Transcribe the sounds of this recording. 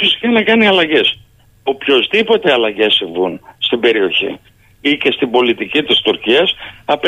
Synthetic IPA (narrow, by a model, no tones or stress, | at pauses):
fisi̥kɐnɐkɐniɐlɐʝe̞s | o̞pço̞zðipo̞t̪e̞ɐlɐʝe̞siɱvunst̪ibe̞ɾio̞çḭ | ice̞st̪imbo̞lit̪icit̪ist̪uɾciɐsɐp